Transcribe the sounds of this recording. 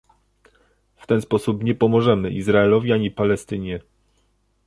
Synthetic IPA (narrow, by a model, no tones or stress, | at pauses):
ft̪ɛnspɔsupɲɛpɔmɔʐɛmɘʔizɾaɛlɔvʲiaɲipalɛst̪ɘɲɛ